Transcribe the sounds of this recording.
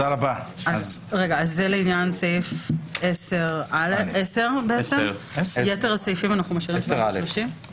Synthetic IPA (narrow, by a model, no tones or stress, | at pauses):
alabaʔazʁe̞ɡaːzːeleinjansejfeseʁaleese̞ʁbeet͡semjeteʁasejfimanaχnumaʃiʁimʁauʃim